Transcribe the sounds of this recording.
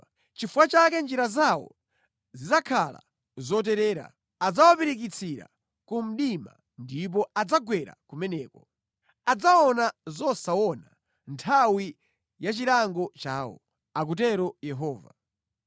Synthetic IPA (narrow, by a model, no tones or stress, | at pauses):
t͡ʃifuwat͡ʃakɛnd͡ʒiɾazawɔ̰ | zid͡zakʰala̰ | zɔt̬ɛɾɛːɾa̰ | ad͡zawapiɾikit͡sʰiɾa̰ | kum̩ɗima̰ | ndip̬ɔad͡zaɡwɛɾa̰kumɛnɛːkɔ | ad͡zaɔnazɔsawɔna | ntʰawi | jat͡ʃiɾaŋɡɔt͡ʃaːwɔ̰ | ak̬ut̬ɛɾɔjɛɦɔːva